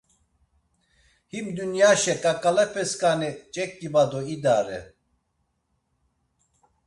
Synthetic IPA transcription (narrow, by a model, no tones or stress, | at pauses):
himd̪unjaʃɛkʼakʼalɛpʰɛskʼanɛt͡ʃʼɛk̪ʼːibad̪ɔid̪aɾɛ̰